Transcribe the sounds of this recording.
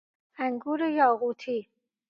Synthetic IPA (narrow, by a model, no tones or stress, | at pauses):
æŋɡuːɾejɔːɣuːt̪ʰi